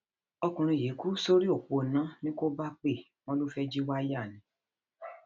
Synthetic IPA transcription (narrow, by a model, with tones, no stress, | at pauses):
ɔ˧kũ˨ɾ̃ũ˧˨je˨˦ku˦so˦ɾi˦o˦˨k͡po˧nã˨˦nĩ˦ko˦ba˦k͡pe˦˨ | m̃ɔ̃˦lo˦fɛ˦d͡ʒi˦wa˦ja˦˨nĩ˨˦